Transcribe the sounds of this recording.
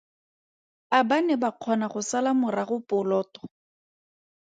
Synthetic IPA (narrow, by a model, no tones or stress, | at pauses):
abanɛbaq͡χʰɔnaχʊsalamʊraχʊpʊlɔːtɔ̥